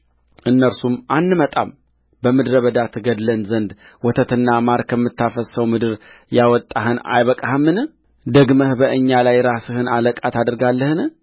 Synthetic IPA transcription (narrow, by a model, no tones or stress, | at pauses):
ʔɨnːəɾsumʔanːɨmət̪ʼa̰m | bəmɨd̪ɾəβəd̪at̪ɡəd̪lənzənd̪ | wɔt̪ʰət̪ɨnːamaɾkʰəmːɨt̪ːafəsəwmɨd̪ɨɾjawɔt̪ʼːaɦɨna̰jβəkʼahɨmːɨnɨ | d̪əɡməhbəʔɨɲːalajɾasɨhɨnaləkʼat̪ʰad̪ɾɡalːəhɨn